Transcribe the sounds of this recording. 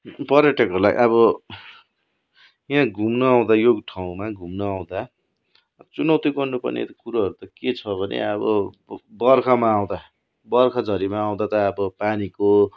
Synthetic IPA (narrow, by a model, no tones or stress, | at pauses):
pʌɾeʈʌkʌla̰ḭʔʌbʌ | jãɡʱumnʌaw̃d̪ajoɡʈʰaw̃maɡʱumnʌaw̃d̪a | t͡sunʌwt̪ikʌnupʌ̰nḛt̪kuɾaɦʌɾut̪ʌket͡sʰʌbʱʌnḛʌbʌ̰ | bʌrkʰʌmaːw̃d̪a | bʌrkʰʌd͡zʱʌɾimaːw̃d̪at̪ʌːbʌpaniko